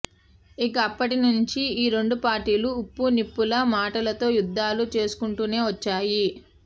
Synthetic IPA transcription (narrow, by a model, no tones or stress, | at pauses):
ikɐːpːɐʈinuɲt͡ʃiiːɾeɳɖupaːɾʈiːluːpːunipːulɐmaːʈɐlɐt̪o̞ːjud̪ʱːaːlut͡ʃe̞ːsu̥kuɳʈuːne̞ːʋɐt͡ʃːaːji